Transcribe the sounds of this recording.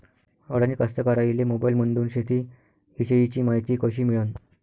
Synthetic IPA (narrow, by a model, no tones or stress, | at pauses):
əɽənikəst̪əkəɾailemobailmənd̪uːnɕet̪iː | iɕejit͡ɕiːmaɦijt̪iːkəɕiːmiɭən